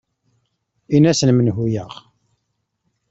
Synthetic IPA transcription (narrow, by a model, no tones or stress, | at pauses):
inæsənmənɦujəʁ